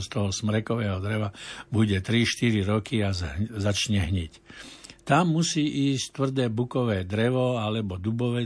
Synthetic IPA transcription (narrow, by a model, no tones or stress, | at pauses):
st̪ɔɦɔsmɾɛkɔʋɛːɦɔd̪ɾɛʋabuɟɛt̪ɾiʃt̪iɾiɾɔkiazat͡ʃɲɛɦɲict̪amːusiːʔiːsct̪ʋr̩d̪ɛːbukɔʋɛːd̪ɾɛʋɔalɛbɔd̪ubɔʋɛ